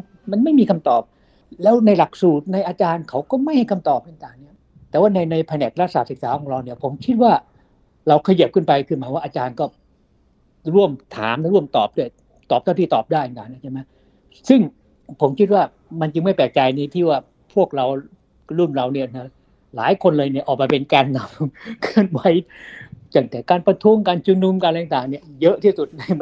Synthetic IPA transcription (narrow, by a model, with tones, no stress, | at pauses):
ma˧nma˥˩jmiː˧kʰa˧mt̪ɔː˨˩p̚ | lɛː˦˥wna˧jla˨˩k̚suː˨˩t̪̚na˧jʔaː˧t͡ɕaː˧nkʰa˦˥wkɔː˥˩ma˥˩jha˥˩jkʰa˧mt̪ɔː˨˩p̚kɯ˥˩nk̪aː˧nːi˦˥˩ɐ | t̪ɛː˨˩waː˥˩na˧jna˧jpʰɛ˧nɛː˨˩k̚ɾa˦˥saː˨˩t̪̚sɯ˨˩k̚saː˨˦kʰɔː˨˩˦ŋɾa˧wni˥˩ɐpʰo˩˦mkʰi˦˥t̪̚waː˥˩ | ɾa˧wkʰa˧ji˨˩p̚kʰɯ˥˩npa˧jkʰɯː˧˥˩nmaː˧waː˥˩ʔaː˧t͡ɕaː˧nkɔː˥˩ | ɾu˥˩əmt̪ʰa̰ː˩˦mla˥ɾu˥˩əmt̪ɔ̰ː˨˩p̚du˥˩əj | t̪ɔː˨˩p̪̚ʰa˥˩t̪iː˥˩t̪ɔː˨˩p̚daː˥˩jkaː˨˩na˦˥t͡ɕʰa˥˩ma˦˥j | sɯ˥˩ŋ | pʰo˩˦mkʰi˦˥t̪̚waː˥˩ | ma˧nt͡ɕɯ˧ŋma˥˩jpɛː˨˩k̚t͡ɕa˧jna˧t̪ʰiː˥˩waː˥˩ | pʰu˥˩k̚ɾa˧w | ɾu˥˩nɾa˧wni˥˩ɐna˦˥ | la̰ː˨˦jkʰo˧nlɤː˧jni˥˩ɐʔɔː˨˩k̚ma˧pe˧nkaː˧nːa˧mkʰɯ˧˥˩ənwa˨˦jt͡ɕ̪a˧˩ŋt̪ɛː˨˩˦kaː˧npɾa˧t̪ʰu˦˥ə˨ŋkaː˧nt͡ɕu˧nu˧mkaː˧lɛː˧ŋt̪aː˨˩ŋni˥˩jɤ˦˥ʔt̪ʰiː˥˩su˨˩t̪̚na˧˩j